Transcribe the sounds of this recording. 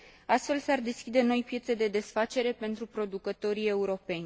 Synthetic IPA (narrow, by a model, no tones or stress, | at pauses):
ast̪fe̞lsard̪e̞skʲid̪e̞no̞jpje̞t̪se̞d̪e̞d̪e̞sfat͡ʃe̞ɾe̞pe̞nt̪ɾupɾo̞d̪ukət̪o̞ɾie̞uɾo̞pe̞nʲ